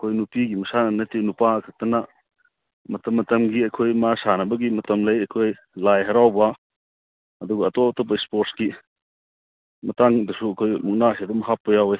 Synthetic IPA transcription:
ɐkʰojnupiɡimɐsanɐnɐtinupakʰɐk̚tɐnɐ | mɐtɐmːɐtɐmɡiɐjkʰojmasanɐbɐɡimɐtɐmlɐjɐjkʰoj | lajɦɐɾawbɐ | ɐduɡɐːtɔtɐbɐspoɾsɡi | mɐtaŋdɐsuɐkʰojmuknasidumɐɦapːɐjawej

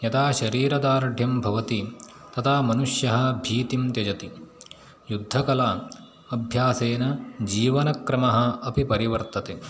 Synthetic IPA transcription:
jɐt̪ʰaːʃɐɾiːɾɐd̪aːɾɖʱjɐmbʱɐʋɐt̪it̪ɐt̪ʰaːmɐnuʃjɐɦɐ̆bʱiːt̪imt̪jɐd͡ʒɐt̪i | jud̪ʱːɐkɐlaː | ɐbʱjaːseːnɐd͡ʒiːʋɐnɐkɾɐmɐɦɐ̆ɐpipɐɾiʋɐɾt̪ɐt̪e

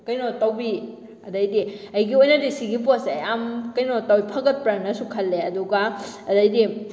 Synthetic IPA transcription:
kɐjnotɐwbi | ɐdɐjdiɐjɡiojnɐdisiɡip̬oseamkɐjnotɐwipʰɐɡɐt̚pɾamnɐsukʰɐlːeɐduɡaɐdɐjdi

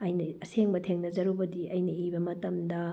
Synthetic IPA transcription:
ɐjnɐɐseŋbɐtʰeŋnɐd͡ʒɐɾubɐdiɐjnɐibɐmɐtɐmdɐ

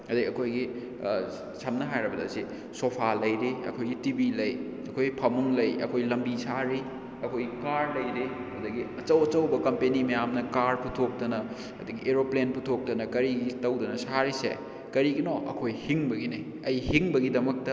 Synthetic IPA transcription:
ɐdɐɐkʰojɡi | samnɐɦajɾɐbɐdɐ̰si | sopʰalɐjɾeɐ̰kʰojɡitibilɐj | ɐkʰojpʰɐmuŋlɐjɐ̰kʰojlɐmbisaɾi | ɐkʰojɡikaɾlɐjɾeɐdɐɡiɐt͡ʃɐwɐt͡ʃɐwbɐkɐmpenimɐjamnɐkaɾpʰutʰok̚tɐnɐ | ɐdɐɡiʔeɾoplenputʰok̚tɐnɐkɐɾiɡitɐwdɐnɐsaɾisḛ | kɐɾiɡinoʔɐ̰kʰojhiŋbɐɡinɐj | ɐjhiŋbɐɡidɐmɐk̚tɐ

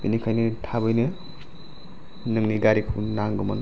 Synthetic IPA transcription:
binikʰajnɯtʰabɯjnɯ | nɯŋniɡaɾikʰunaŋɡuman

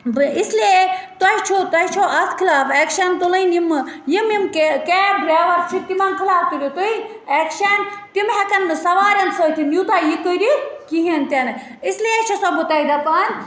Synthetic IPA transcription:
isliet̪ɐit͡ʃʰot̪ɐit͡ʃʰoʔɐt̪ʰkʰilaːfekʃɐnt̪ulɐinjimjimjimkekeːbɾeːʋɐɾt͡ʃʰit̪imɐnkʰilaːft̪uɾʲjot̪oi | ekʃɐnt̪imɦɛkɐnsɐʋaːɾɐnsot̪ʰinjuːt̪aːjikoɾʲikiɦint̪ʲɐnɨ | isliet͡ʃʰɐsɐbut̪ɐid̪ɐpanʲ

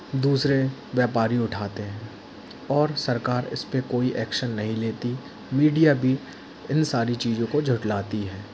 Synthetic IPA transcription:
d̪uːsɾeʋjaːpaːɾiʊʈʰaːt̪eɦɛ̃ː | ɔːɾsɐɾkaːɾɪ̰spekoːiʔɛːkʃənːɐɦĩleːt̪i | miːɖijabʱi | ɪnsaːɾit͡ʃiːzõkod͡ʒʱʊʈlaːt̪iɦɛː

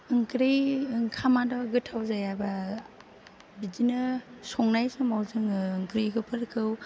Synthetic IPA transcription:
ɯŋkɾejŋkʰamadɔɡɯtʰːawzajaba | bidinɯsɔŋnajsɯmawzɯŋɯŋkɾiɡɯpʰɯɾkʰɯw

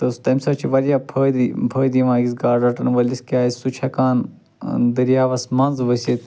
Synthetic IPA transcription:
t̪ɐst̪ɐmʲsɐt͡ʃʰiʋɐɾjaːpʰɐd̪ipʰəːd̪iʋãːɡʲisɡaːɖɐʈɐnʋɐlʲiskʲaːisʲsut͡ʃʰɐkaːn | d̪ɨɾijaːʋɐsmɐnzʋɐsʲet̪

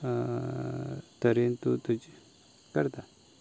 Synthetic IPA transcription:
t̪əɾent̪ut̪ud͡ʒ | kəɾt̪a

